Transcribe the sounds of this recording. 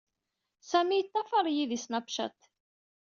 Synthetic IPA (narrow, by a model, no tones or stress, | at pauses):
sæmijət̪ˤːɑfɑɾˤjiðisnæpʃæ̰t̪